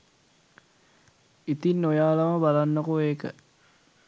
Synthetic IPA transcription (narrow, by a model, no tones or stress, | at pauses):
it̪inːojaːlɐməbalanːokoeːkə̰